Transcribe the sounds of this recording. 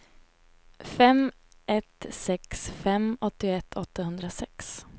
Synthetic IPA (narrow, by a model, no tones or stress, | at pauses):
fɛm | ʔɛt̪sɛksfɛmɔt̪ːɪɛt̪ʰːɔt̪ːahɵnd̪ɾasɛks